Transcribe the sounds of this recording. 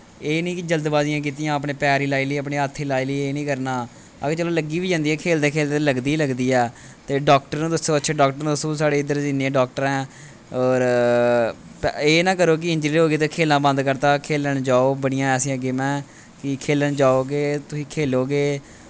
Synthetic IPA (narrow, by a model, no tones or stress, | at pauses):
eːnĩːkɪd͡ʒəld̪baːzɪjãːk̬iːt̪ijãːəp̬ɳeːpɛːɾiːlaːiːliːəpɳeːət̪ʰːiːlaːiːliːeːnĩːkəɾnaː | ə̰ɡet͡ʃɛːloːləɡiːʋiːd͡ʒãːnd̪iːɛːkʰeːld̪eːkʰeːld̪eləɡd̪iːləɡd̪iːɛː | t̪eːɖɔːkʈəɾnũːt̪ʊsõːətːʃʰeːɖɔːk̚ʈəɾnːt̪ʊsõːsaːɽeːɪd̪əɾd͡ʒɪnẽːɖɔːk̚ʈəɾɛ̃ː | ɔːɾ | peːnãːk̬əɾoːk̬ɪɪ̃ɲd͡ʒɾiːlɦoːɡeːt̪eːkʰeːlnãːbə̃nd̪kəɾt̪aːkʰeːləɳd͡ʒaːoːbəɽ̃ɪjãːɛːsĩə̃ɡɪmɛ̃ː | kɪkʰeːləɳd͡ʒaːoːɡeːt̪ʊsĩːkʰeːloːɡeː